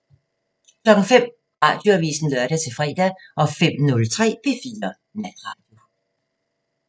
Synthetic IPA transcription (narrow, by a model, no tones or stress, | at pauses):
kʰlɒ̽ɡ̥ŋ̩fem̰ | ʁɑ̈ːd̥joæʋḭːsn̩løɐɾ̥æt͡sʰe̝fʁɛ̰ːd̥æʔɒ̽fem̰nɔ̽lt͡sʰʁɛ̰ːpʰe̝fḭːɐ | næn̥ʁɑ̰̈ːd̥jo̝